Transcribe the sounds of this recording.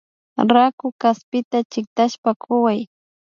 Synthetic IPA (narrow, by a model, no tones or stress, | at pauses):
ɾakʊkaspɪt̪at͡ʃɪk̚t̪aʃpakʰʊwaj